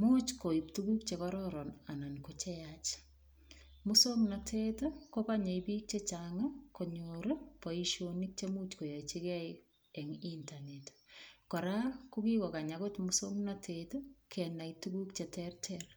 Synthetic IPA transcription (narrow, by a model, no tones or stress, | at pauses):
mut͡ʃkoiptukukt͡ʃekɔɾɔɾɔnanankot͡ʃɛjat͡ʃ | mʊsomnatʰetokokaɲaipiːk̚t͡ʃet͡ʃaŋakoɲoɾopɔiʃonik̚t͡ʃemut͡ʃkojait͡ʃekɛj | ɛŋintanetkɔɾakukikɔkaɲakotmusoŋnatʰetokʰɛnajtukukt͡ʃetɛrtʰɛr